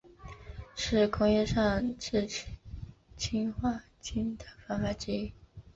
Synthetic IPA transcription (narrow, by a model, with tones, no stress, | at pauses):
ʂɻ̩˥˩kʰʊ˥ŋjɛ˥˧ʂɑ˥˧ŋʈ͡ʂɻ̩˥˩ | t͡ɕʰi˥nxwa˥˩ | t͡ɕi˥nt̪ʰa˧˩fɑ˥nfa˥ʈ͡ʂɻ̩˥i˥˩